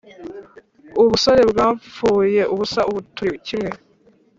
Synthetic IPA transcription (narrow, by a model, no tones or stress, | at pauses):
uβuso̞ɾe̞bɡaːɱfuːje̞ʔuβusaʔuβutuɾicimŋe̞